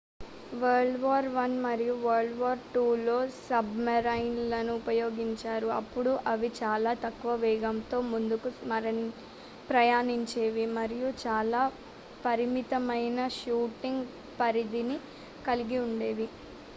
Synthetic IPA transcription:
ʋɐɾɖʋaːɾʋɐnmɐɾijuʋɐɾɖʋaːɾʈuːlo̞ːsɐbmɐɾɐjnlɐnuːpɐjo̞ːɡiɲt͡ʃaːɾuɐpːuɽuʔɐʋit͡ʃaːlaːt̪ɐkːuʋɐʋɛːɡɐmt̪o̞ːmund̪ukumɐɾɐn | pɾɐjaːniɲt͡ʃe̞ːʋimɐɾijut͡ʃaːlaː | pɐɾimit̪ɐmɐjnɐʃuːʈiŋɡ | pɐɾid̪ini | kɐliɡiuɳɖe̞ːʋi

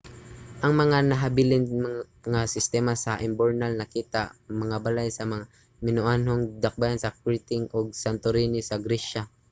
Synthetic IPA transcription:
ʔɐŋmɐŋanɐɦabɪlɪnm | ŋasɪst̪ɛːmasɐʔɪmboɹnalnɐkiːt̪amɐŋabalajsɐmɐŋa | mɪnʊʔanɦoŋd̪ak̚bajansɐk̚ɹit̪ɪŋʔoɡ̚sant̪oɾiːnɪsɐɡɾɛʃa

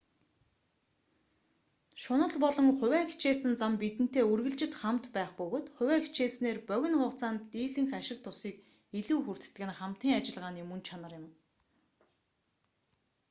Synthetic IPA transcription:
ʃʊnə̆ɮpɔɮɞ̆ŋχʊ̟wæːxʰt͡ɕeːsɘ̆nt͡sampit̪ɘ̆n̥t̪eːɵrɣɘ̆ɮt͡ɕɪ̆t̪χamt̪pæːχpɵɣoːt̪χʊ̟wæːxʰt͡ɕeːsneːrpœɣʲɪ̆nχʊːχt͡saːnt̪iːɮɘ̆ŋxaʃɪ̆k̚t̪ʰʊsiːk̚ | iɮuːxur̥t̪̆ɘ̆ɘ̆nχam̥t̪iːŋat͡ɕɪ̆ɮʁaːniːmɵnt͡ɕʰanə̆rjɪ̆m

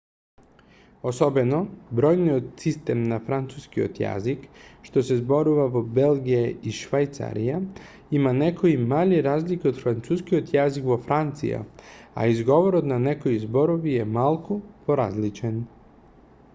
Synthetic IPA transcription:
oso̞benobɾo̞jniod̪sist̪emnafɾant̪suskio̰t̪ja̰zikʃt̪o̞sezbo̞ɾuʋaʋobe̞lɡijeiʃʋajt̪sa̰ɾija | imanekʰoimaʎiɾaːzlikio̞d̪fɾant̪suːskiot̪jazikʋofɾant̪sḭja̰a̰izɡo̞ʋoɾod̪nanekoizbo̞ɾoʋijemalˠkopoɾa̰zlit͡ʃen

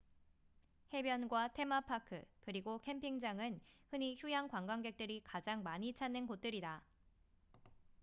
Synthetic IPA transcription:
he̞bjʌnɡwatʰe̞mapʰakʰɯkɯɾiɡokʰe̞mpʰiŋd͡ʑaŋɯnhɯɲiçjujaŋkwaŋɡwaŋɡe̞k̚t͈ɯɾikad͡ʑaŋmaɲit͡ɕʰanːɯnkot̚t͈ɯɾida

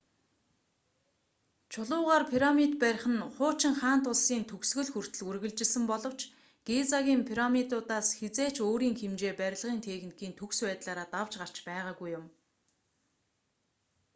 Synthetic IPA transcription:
t͡ɕʰʊɮʊːʁaːrpʰiɾamit̪̚pæɾ̆ʲχə̆nχʊːt͡ɕɪ̆ŋχaːn̥t̪ʊɮsiːnt̪ʰɵksɣɵ̆ɮxur̥t̪ɵ̆ɮurɣɘ̆ɮt͡ɕɪ̆ɮsɘ̆mpɔɮɞ̆w̥t͡ɕ | ɡ̥et͡saɣʲiːmpʰiɾamit̪ʊːt̪aːsxet͡seːt͡ɕoːɾiːŋxemt͡ɕeːpæɾʲɪ̆ɮʁiːnt̪ʰeɣnikʰiːnt̪ʰɵkswæːt̪ɮaːɾaːt̪awt͡ɕɢar̥t͡ɕpæːʁaːɣujʊm

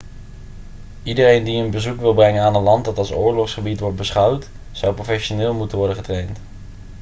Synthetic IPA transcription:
idərejndiənbəzukʋɪlˠbrɛŋənaːnənlɑntdɑtɑlˠsʊ̰ːɹlɔχsχəbitʋɔɹt̚bəsχʌwt | z̥ʌwprofɛʃonɪːlˠmutənʋɔɹdəχətrejnt

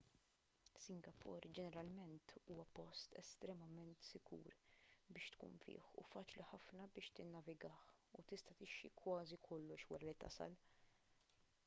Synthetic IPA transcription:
sɪŋɡɐpʰʊ̰ɾd͡ʒɛnɛɾɐlmɛnt̪ʰuːwɐpɔst̪ɛ̰st̪ɾɛmɐmɛnt̪sɪɡṵːɾbɪːʃt̪kṵːnfɪ̰ːħṵfɐːt͡ʃliħɐfnɐbɪːʃt̪ɪnːɐvɪɡɐːħut̪ɪst̪ɐt̪ɪʃːḭkwɐːzikʰɔlːɔʃwɐɾɐlit̪ɐ̰sɐ̰l

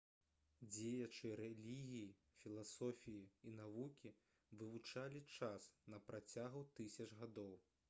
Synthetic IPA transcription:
d͡zʲejɐt͡ʂɨɾɛlʲiɣʲiji | fʲilˠasɔfʲijiinavukʲi | vɨvut͡ʂalʲit͡ʂasnɐpɾʔat͡sʲaɣut̪ɨsʲɐt͡ʂɣad̪ɔw

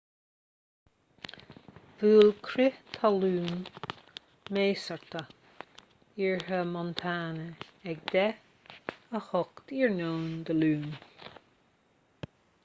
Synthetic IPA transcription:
vuːlkʰɾɪt̪ʰaluːn | meːsəɹt̪ə | iɹhəmɔnt̪ʰaːnəɛk̚d̪̥ɛ | əhɔkt̪iɹnoːnd̪əluːn

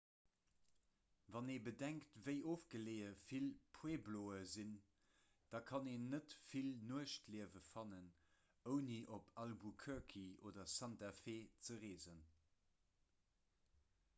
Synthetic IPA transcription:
vɑneːbədæŋktvəɪʔoːfɡ̥əleːəfilpʰweːbloːəzin | d̥ɑkʰɑneːnːətfilnuəʃtliəvəfɑnən | əʊniʔopʰɑlbukʰœkʰioːdɐsæntafeːt͡səʁeːzən

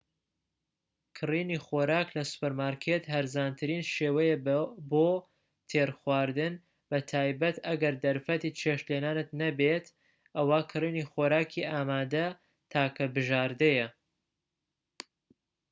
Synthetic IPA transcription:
kʰɨriːnixoɾaːklɐsu̥pəɾmaːɾkʰet̪hɐɾzaːnt̪ʰɨɾiːnʃeːwɐjeboː | t̪ʰeːɾxwaːɾd̪ɨn | b̥ɐt̪ʰaːjbɐt̪ɐɡɐɾd̪ɐɾfɐt̪iːt͡ʃʰeʃleːnaːnɨt̪nɐbet̪ | ʔɐwaːkʰɨriːnixoɾaːkʰiʔaːmaːd̪ɐ | t̪ʰaːkʰɐbɨʒaːɾd̪ɐjɐ

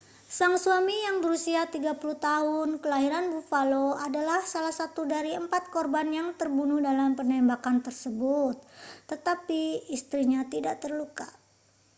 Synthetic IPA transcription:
saŋsuamijaŋbəɾusiat̪iɡapuluht̪aɦʊnkəlaɦiɾanbufaloadalahsalahsat̪udaɾiəmpat̪̚kɔrbanjaŋt̪ərbunuhdalampənɛmbakant̪ərsəbut̪̚ːət̪apiist̪ɾiɲat̪idaʔt̪ərluka̰

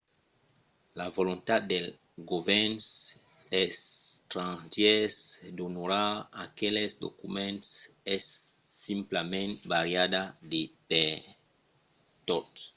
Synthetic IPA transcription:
lavolõnt̪ad̪d̪el | ɡovɛns | est̪ɾãʒɛsd̪onoɾaakelesd̪o̰kumẽnt̪sɛsːĩmplamẽnt̪baɾjad̪ad̪epe | t̪ot̪s

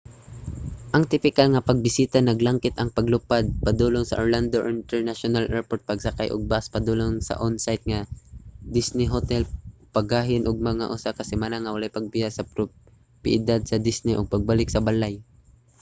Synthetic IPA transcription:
ʔɐŋt̪ɪpɪkalŋɐpɐɡ̚bɪsiːt̪anɐɡlaŋkɪt̪ɐŋpɐɡlʊpad̪̚pɐd̪uːloŋsɐ̰ʔoɹland̪oʔɪnt̪ɛɹnaʃonalʔɛɹpoɹt̪̚pɐɡsɐkajʔʊ̰ɡ̚baspɐd̪uloŋsɐ̰ʔonsajt̪̚ŋɐd̪ɪsnɪɦot̪ɛlpɐɡaːɦɪnʔoɡ̚mɐŋa̰ʔʊsakɐsɪmaːnaŋɐwɐlajpɐɡ̚pɪjasɐpɾo | pɪʔɪd̪ad̪̚sɐd̪ɪsnɪʔoɡ̚pɐɡ̚balɪk̚sɐbalaj

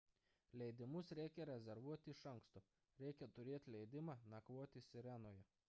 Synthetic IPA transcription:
lʲɛɪd̪ʲɪmʊsɾʲɛɪkʲɛɾʲɛzʲɛɾʋuɔt̪ʲɪɪʃɐŋkst̪oː | ɾʲɛɪkʲɛt̪ʊɾʲeːt̪ʲlʲɛɪd̪ʲɪmɑːnɐkʋoɔt̪ʲɪsʲɪɾʲænoːjɛ

